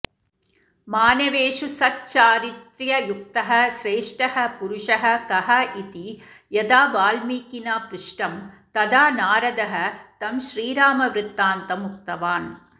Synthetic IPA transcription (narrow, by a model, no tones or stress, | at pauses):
maːnɐʋeːʂusɐt̚t͡ʃaːɾit̪ɾjɐjuk̚t̪ɐɦɐʃɾeːʂʈɐɦɐpʊɾʊʂɐɦɐ̆kɐɦɐʔit̪i | jɐd̪aːʋaːlmiːkːinaːpɾɪʂʈɐmt̪ɐd̪aːnaːɾɐd̪ɐɦɐt̪ɐmʃɾiːɾaːmɐʋɾɪt̪ːaːnt̪ɐmuk̚t̪ɐʋaːn